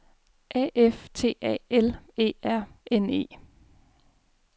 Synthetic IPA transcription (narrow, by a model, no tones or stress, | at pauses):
ʔɛ̰ʔeft͡sʰe̝̰ːɛ̰ːele̝̰ːæɐ̰ene̝̰ː